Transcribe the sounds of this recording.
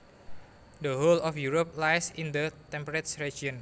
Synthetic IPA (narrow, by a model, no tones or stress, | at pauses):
dəɦolɔfjuɾop̚lajsind̪ət̪ɛ̃mpɾɛt̪sɹed͡ʒiɔ̃n